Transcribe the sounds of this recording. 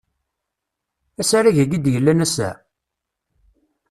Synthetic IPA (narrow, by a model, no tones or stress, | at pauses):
æsaɾaʝəɡid̪jəlːænæsæ̰